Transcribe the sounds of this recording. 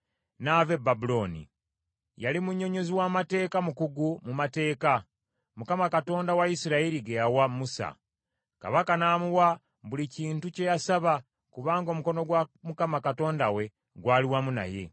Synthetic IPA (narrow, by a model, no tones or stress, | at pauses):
naːve̞babulo̞ːnḭ | jalimuɲːo̞ɲo̞ziwaːmate̞ːkamukuɡumumate̞ːka | mukamakato̞ːndawaisiɾaiɾiɡejawamusa̰ | ka̰βakanaːmuwa | βuliciːntuce̞jasaβa | kuβaːŋɡo̞muko̞no̞ɡwamukamakato̞ːndawe̞ | ɡwaːliwamuna̰je̞̰